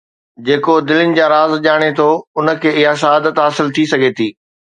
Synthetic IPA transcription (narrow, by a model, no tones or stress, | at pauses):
d͡ʑeːkod̪ɪlɪnɪ̆d͡ʑaːɾaːzʄaːɽ̃et̪ʰoʊnə̆kʰeːɪɦaʃɐɦaːd̪ət̪ɦaːsɪlt̪ʰisɐɡʱet̪ʰiː